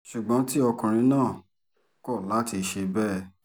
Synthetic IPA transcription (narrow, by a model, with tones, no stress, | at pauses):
ʃu˨ɡ͡bɔ̃˨˦ti˦ɔ˧kũ˨ɾ̃ĩ˧˦nãː˦˨ | kɔ˦˨la˦ti˧ʃe˧bɛ˦˨